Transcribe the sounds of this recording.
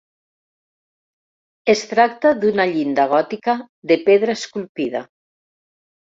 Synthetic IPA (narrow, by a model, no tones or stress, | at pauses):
est̪ɾak̚t̪aðunaʎind̪aɣ̞ɔt̪ika | ðepeðɾaeskulpið̞a̰